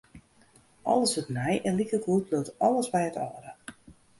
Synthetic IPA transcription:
ʔɔ̰ləsətnɛjʔɛnlikəɡutløwtɔləsbɛjətɔːɾə

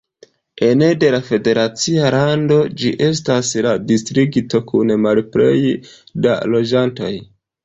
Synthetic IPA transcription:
e̞nede̞lafe̞de̞ɾat͡sialando̞d͡ʒiʔe̞s̬tasladistɾiɡito̞kunmalpɾejda̰lo̞d͡ʒanto̞j

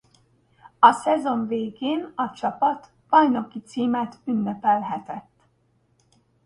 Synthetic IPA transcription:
ɒsɛzo̞ɱveːɡeːnɒt͡ʃɒpɒt̪ | b̥ɒjno̞kit̪siːmɛt̪ynːɛpɛlɦɛt̪ɛt̪ː

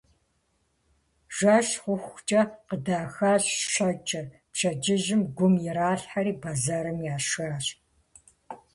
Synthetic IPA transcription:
ʒ̥ʷaːɕχʷʊxʷxʷt͡ʃʼɐqədaːxaːɕʃɐt͡ʃʼɐr | pʃʰɐd͡ʒɪʒɪmɡʷʊmjɛɾaːɬħaɾiːbazaːɾɨmjaːʃaːɕʼ

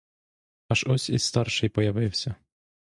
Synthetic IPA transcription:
ɐʒɔsʲḭsst̪ɑrʃɪjpɔjɐʋɪwsʲɐ

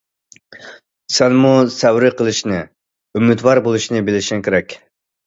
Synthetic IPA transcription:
sɛnmusɛwɾɪqʰəlˠɨʃnɨ | ymːɨt̪wɑɾbolˠuʃnɨbɪlɪʃinkʲʰɪɾɛkʲ

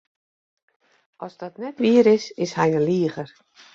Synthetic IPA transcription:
ʔɔsdɔtnɛtʋiəɾɪsɪshɛjənliəɣər

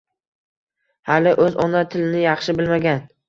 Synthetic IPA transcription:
halɪʔɵzɒnat̪ʰɪlɪnɪjɑχʃɪbɪlmaɡʲan

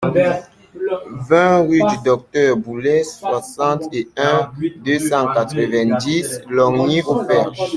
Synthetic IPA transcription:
vɛ̃ʁyd̪yd̪ɔk̚t̪œʁbulɛswasɑ̃t̪eɛ̃d̪øsɑ̃kat̪χəvɛ̃d̪islɔʁneʔofɛʁʒ

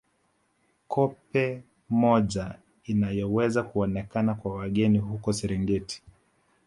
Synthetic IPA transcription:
kʰɔpɛ | mɔʄa | inajɔwɛzakuɔnɛkanakwawaɠɛnihukɔsɛɾiŋɡɛti̥

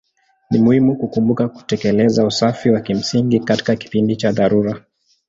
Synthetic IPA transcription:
nimuhimukukumbukaku̥tɛkɛlɛzausafiwakim̩siŋɡikati̥kaki̥pindit͡ʃaðaɾuɾa

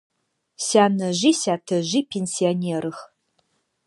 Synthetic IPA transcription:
saːnɐʒisaːtʰɐʒiːpʰensionʲeːɾɨx

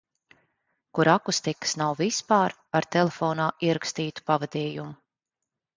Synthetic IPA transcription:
kuɾakust̪ikə̥snawvispaːɾ | aɾt̪ɛlefɔːnaːʔiɛɾakst̪iːt̪u̥pavɛd̪ɛːjumu

